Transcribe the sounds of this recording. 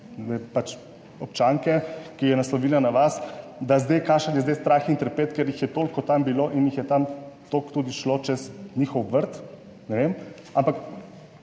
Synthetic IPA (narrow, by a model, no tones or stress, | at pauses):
ʋepat͡ʃ | ɔp̚t͡ʃaŋkɛkijɛnaslɔʋiːlanaʋasd̪azd̪ejkaʃənjɛzd̪ɛjst̪ɾaːxint̪ɾpeːt̪kɛɾjixjɛt̪oːlkɔt̪ambiloʔinjixjɛt̪amt̪okt̪uːd̪iʃlot͡ʃɛsnʲiːxɔwʋəɾt̪ | nɛʋem | ampak